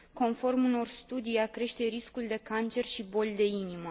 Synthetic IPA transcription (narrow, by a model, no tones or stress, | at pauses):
ko̞nfo̞rmuno̞rst̪ud̪ijakɾe̞ʃt̪e̞ɾiskuld̪e̞kant͡ʃe̞rʃibo̞lʲd̪e̞inimə